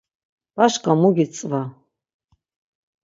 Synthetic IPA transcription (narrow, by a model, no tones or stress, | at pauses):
b̥aʃqʼamuɡʲit͡sʼva